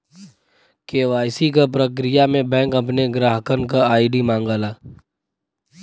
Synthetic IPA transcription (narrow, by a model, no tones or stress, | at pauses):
keːʋaːjsik̬apɾək̬ɾijamẽbɛ̃ːŋkɐpneɡɾaːɦəkənk̬aaːɪɖimãːŋɡaːlaː